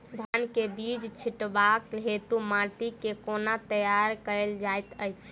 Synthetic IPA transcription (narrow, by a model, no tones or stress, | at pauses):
d̪ʱankebid͡ʒt͡ʃʰiʈbakɦet̪umaʈikekonat̪əjaɾkəld͡ʒajt̪əjt͡ʃʰ